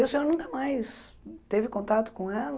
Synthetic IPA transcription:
eʊsẽɲoɾnũkɐmajst̪evɪkõnt̪at̪ʊ̥kõɛlɐ

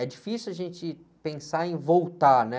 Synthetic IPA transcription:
ɛd͡ʒifisuwaʒẽnt͡ʃɪ | pẽsaẽj̃vowt̪anɛ

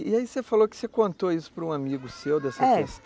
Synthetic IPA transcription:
iaisefalokɪ̥sekõnt̪oisʊ̥pɾũamiɡʊsewd̪ɛsɐɛest̪

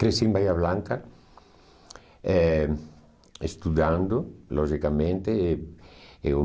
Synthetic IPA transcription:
kɾesimbajaβlãŋka | ɛ | est̪uðand̪olʔɔʒikamẽnt̪e | eu

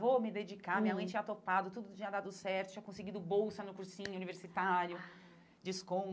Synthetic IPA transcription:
vomɪd̪ed͡ʒikamĩɲɐmɐ̃j̃t͡ʃĩɲɐt̪opad̪ʊt̪ud̪ʊt͡ʃĩɲɐd̪ad̪ʊsɛɾt̪ʊ̥tt͡ʃĩɐkõsɪɡid̪ʊbowsɐnʊkuɾsĩɲʊuniveɾsit̪aɾjʊ | d͡ʒɪskõ

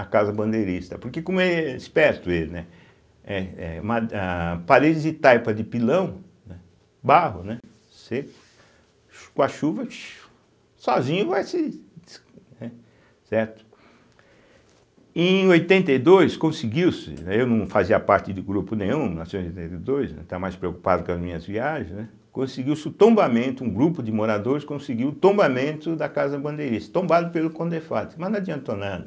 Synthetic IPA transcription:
ɐkazɐbɐ̃nd̪ejɾist̪ɐpoɾkekõmʊeispɛɾt̪ʊelnɛ | ɛɛũmɐapaɾed͡ʒɪzd̪ɪt̪ajpɐd̪ɪpilɐ̃w̃ | nɛ | baɦʊnɛ | sekʊ̥ | kõɐʃuvɐt͡ʃ | sɔzĩɲʊvajsɪd̪s | nɛ | sɛɾt̪ʊ̥ | ẽojt̪ẽnt̪ejd̪ojskõsɪɡiwsɪ̰nɛewnɐ̃w̃faziɐpaɾt͡ʃ̪ɪd̪ʊɡɾupʊnẽj̃ũnasõj̃zojt̪ẽnt̪ejd̪ojsnɛ̰̃t̪avmajspɾeoku̥pad̪ʊkɐzmĩɲɐzviaɾɐznɛ | kõsɪɡiwsɪʊt̪õmbamẽnt̪ʊũɡɾupʊd̪ɪmoɾad̪oɾɪskõsɪɡiwʊt̪õmbamẽnt̪ʊd̪ɐkazɐbɐ̃nd̪ejɾisɪ̥t̪õmbad̪ʊpelʊkõnd̪efat̪ɪmɐzñad͡ʒ̪iɐ̃nt̪onad̪ɐ

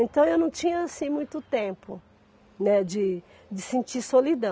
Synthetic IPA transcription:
ẽnt̪ɐ̃w̃ewnɐ̃w̃t͡ʃĩɲɐasĩmũj̃t̪ʊt̪ẽpʊ | nɛd͡ʒɪ | d͡ʒɪsĩt͡ʃiɾsolid̪ɐ̃

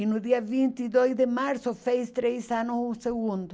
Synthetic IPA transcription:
ɪnʊðiɐvint̪iðojzd̪emaɾsʊfejst̪ɾejsanʊsũseɣũnd̪ʊ

